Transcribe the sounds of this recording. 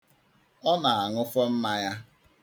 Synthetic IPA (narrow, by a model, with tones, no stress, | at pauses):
ɔ˦na˨a˨ŋʊ˦fɔ˦m̩˦ma˦ja˦